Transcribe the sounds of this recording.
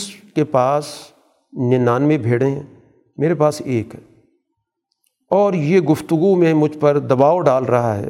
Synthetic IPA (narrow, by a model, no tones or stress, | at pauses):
skepaːs | nɪnaːnmẽbʱeːɽẽɦɛ̃ː | meːɾepaːseːkɦɛː | ɔːɾjeːɡʊft̪ʊɡumẽmʊd͡ʒʱpɐɾd̪ɐbaːoɖaːlɾɐɦaɦɛ̰ː